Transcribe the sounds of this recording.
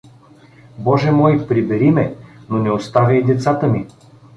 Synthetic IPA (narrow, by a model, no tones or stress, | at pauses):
bɔʒɛmɔjpɾibɛɾimɛnonɛost̪avʲɐid̪ɛt̪sat̪əmi